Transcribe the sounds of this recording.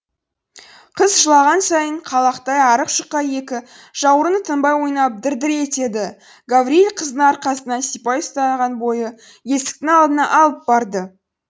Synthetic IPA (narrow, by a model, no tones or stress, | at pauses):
qʰəzʒəlˠɑʁɑnsɑjəɴqʰɑlˠɑqt̪ɑjɑɾəqʃəqːɑje̞kʲɪ | ʒ̥ɑwəɾənət̪ʰəmbɑjwo̞jnɑp̚d̪ɪɾd̪ɪɾe̞t̪e̞d̪ɪ | ɡavɾielʲqʰəzd̪əɴɑɾqɑsənɑnsijpɑjʊst̪ɑʁɑnbo̞jə | je̞st̪ɪ̥k̚t̪ɪŋɑlˠd̪ənɑʔɑlˠəp̚bɑɾd̪ə